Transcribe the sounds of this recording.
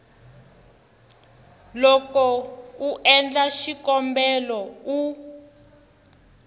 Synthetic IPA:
lɔkɔuʔɛnd͡ɮaʃikɔmbɛlɔu

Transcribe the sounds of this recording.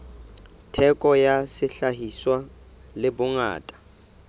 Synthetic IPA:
tʰɛkʼɔjasɪɬahiswa | lɪbʊŋa̰ːtʼḁ

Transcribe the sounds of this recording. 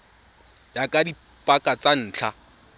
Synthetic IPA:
jakʼadi | pʼakʼat͡san̩ːt͡ɬʰa

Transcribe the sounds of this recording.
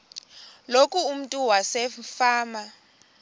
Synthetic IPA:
lokʼuːm̩tʼuwasɛfaːma

